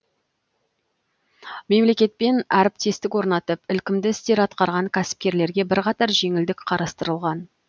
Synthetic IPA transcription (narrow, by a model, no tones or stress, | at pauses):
me̞mle̞kʲe̞t̪̚pe̞næɾɪp̚t̪e̞st̪ɪkwo̞ɾnɑt̪əpɪlkʲɪmd̪ɪɪst̪e̞ɾɑt̪qɑɾʁɑŋkʲʰæsɪ̥p̚kʲe̞ɾle̞ɾɡʲe̞bɪɾqɑt̪ɑɾʒe̞ŋɪld̪ɪkqʰɑɾɑst̪əɾəlˠʁɑn